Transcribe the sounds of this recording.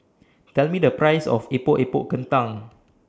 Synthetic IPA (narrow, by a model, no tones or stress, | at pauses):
t̪ɛlmidəpɹajsɔ̰fepoʔepoʔkə̃nt̪ãŋ